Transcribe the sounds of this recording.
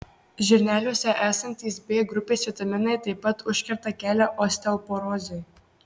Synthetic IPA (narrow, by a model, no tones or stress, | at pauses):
ʒʲɛɾʲnʲæːlʲuːsʲɛʔæːsɐnʲt̪ʲiːsbʲeːɡɾʊpʲeːsʲɛt̪ɐmʲɪnɐɪt̪ɐɪpːɐt̪ʊʃʲkʲɪɾt̪ɐkʲæːlʲæʔɔsʲt̪ʲɛlˠpɔɾɔzʲej